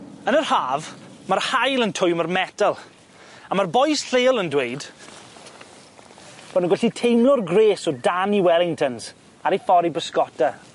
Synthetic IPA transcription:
ənərhaːvmarhajlˠəntʰʊjmarmɛdalˠ | amarbɔjsɬeːlˠəndwejd | b̥ɔnəɡʊɬitʰejmlˠʊrɡreːsɔdaniwɛlˠɪŋtʰənz̥ | aɾifɔɾibəskɔta

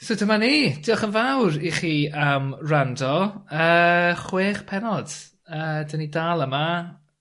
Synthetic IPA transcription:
sodəmaniːd̥ʰɪɔχənvawɾiχiːamrandɔəːχweːχpʰɛnɔd̥ | əːdənidaːlˠəma

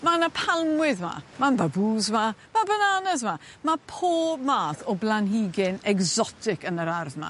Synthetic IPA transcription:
manapʰalˠmwɪðma̰manbabuːzvamabənanəzva | mapʰoːmaːθɔblˠanɦiɡɪnɛɡzɔtʰɪkənəɾarðma̰

